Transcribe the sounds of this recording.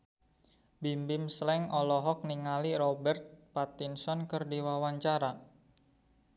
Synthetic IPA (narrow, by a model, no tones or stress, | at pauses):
bimbɪmslɛŋɔlɔɦɔk̚niŋaliɾɔbɛrt̪̚pat̪insɔnkərdiwawaɲt͡ʃaɾa